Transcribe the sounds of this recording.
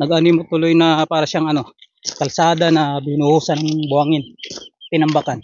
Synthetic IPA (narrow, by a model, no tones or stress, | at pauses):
nɐɡɐnijmot̪ʊlojnɐpaːɾɐʃaŋɐno̞ | kɐlsaːd̪anɐbɪnʊhuːsɐnɐŋbʊhaŋɪnt̪ɪnɐmbakan